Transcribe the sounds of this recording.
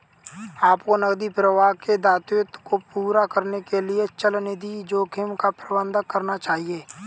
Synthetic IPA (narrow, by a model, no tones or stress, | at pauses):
aːpkonəɡd̪ipɾəʋaːked̪aːt̪jʊt̪kopuːɾakəɾnekeliet͡ʃəlned̪id͡ʒoːkʰɪmkapɾəbə̃nd̪əkəɾnat͡ʃaːɦieː